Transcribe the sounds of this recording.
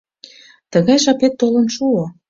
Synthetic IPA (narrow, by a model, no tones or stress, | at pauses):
t̪əɣɑjʃɑpet̪ːolə̆nʃuo